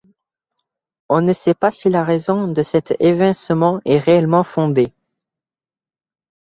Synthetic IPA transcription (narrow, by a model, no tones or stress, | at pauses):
ɔ̃nəsɛpasilaʁezɔ̃d̪əsɛt̪evɛ̃səmɑ̃ɛʁeɛlmɑ̃fɔ̃d̪e